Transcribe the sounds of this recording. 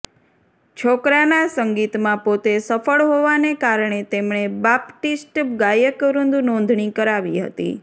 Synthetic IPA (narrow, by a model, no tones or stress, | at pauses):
t͡ʃʰokɾanasəŋɡit̪mãpot̪esəfəɭɦoʋanekaɾɳ̃et̪emɳebapʈisʈɡajəkɾund̪unɔ̃nd̪ʱɳikəɾaʋiɦə̰t̪ḭ